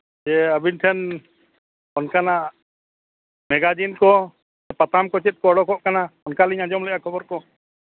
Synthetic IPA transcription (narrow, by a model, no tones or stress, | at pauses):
d͡ʒɛəbinʈʰɛn | ɔnkana | mɛɡad͡ʒinkɔ | d͡ʒɛpat̪ʰamkɔt͡ʃɛt̪̚kɔɔɽɔkɔʔkanaɔnkaliɲad͡ʒɔmlɛʔjakʰɔbɔɾkɔ